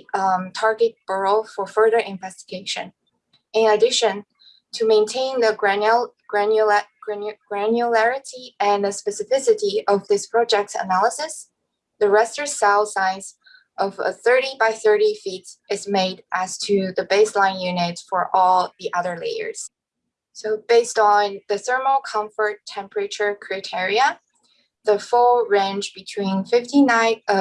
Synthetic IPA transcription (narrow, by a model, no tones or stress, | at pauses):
tʰɑɹɡɨt̚b̥ɜ˞l̩ˠfə˞fɜ˞ðə˞ʔɨ̃ɱvɛstɨɡ̥eɪʃɨ̰̃n | ɪ̃nɨdɪʃɨ̃n | tʰɨmẽɪ̃ntʰẽɪ̃nðɨ | ɡ̥ɹænj | ɡ̥ɹænjulɛɹɨɾiɨ̃nðɨspɛsɨfɪsɨɾiʔʌvðɪspʰɹ̥ɑd͡ʒɛk̚tsə̰nælˠəsɨs | ðɨɹɛstə˞sɛlˠsãɪ̃z | ʔʌvə̰θɜ˞ɾibaɪθɜ˞ɾifitʔɨzmeɪɾʔæz̥tʰɨðɨbeɪslãɪ̃njʉnɪtsfə˞ʔɔlˠðiʔʌðə˞lḛɪə̰˞z̥ | soʊbeɪstn̩ðɨsɜ˞məl̩ˠkʰʌ̃ɱfə˞tʰːɛ̃mpɹɨt͡ʃə˞kʰɹ̥aɪtʰɪɹiə | ðəfʊlˠɹẽɪ̃nd͡ʒb̥ɨtʰw̥ĩnfɪftinãɪʌ